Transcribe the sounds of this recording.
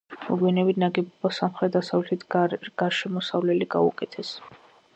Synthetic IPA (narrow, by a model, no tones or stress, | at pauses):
mɔ̰ɡwɛnɛbinaɡɛbɔbɔsamχɾɛt̪̚d̪asavlɛt̪ʰit̪ʰɡ̥aɾʃɛmɔsavlɛliɡa̰ṵkʼɛt̪ʰɛs